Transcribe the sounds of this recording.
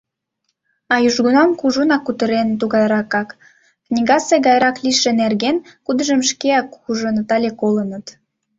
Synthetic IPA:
ɑjuʒɣunɑmkuʒonɑkːut̪əɾent̪uɣɑjɾɑkɑk | knʲiɣɑseɣɑjɾɑkliʃĕnerɣenkud̪əʒəmʃkeɑkuʒonət̪ɑlʲekolənət̪

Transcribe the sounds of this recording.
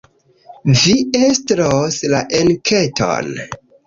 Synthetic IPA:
viestɾoslaʔelkʰetʰo̰n

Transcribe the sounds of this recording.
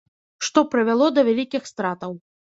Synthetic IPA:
ʂt̪ɔpɾɨvʲalˠɔd̪ɐvʲalʲikʲixst̪ɾat̪ɐw

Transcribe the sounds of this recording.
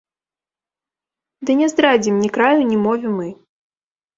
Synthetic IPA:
d̪ɨnʲɛzd̪ɾad͡zʲimnʲikɾajunʲimɔvʲimɨ

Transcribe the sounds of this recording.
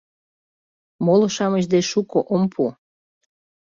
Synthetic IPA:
moloʃɑməʑ̬d̪eʃukoʔompʰu

